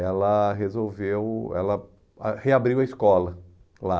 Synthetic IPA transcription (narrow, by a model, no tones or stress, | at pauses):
ɛlɐɦezowvewɛ̰lɐ | heabɾiwɐiskɔlɐ | la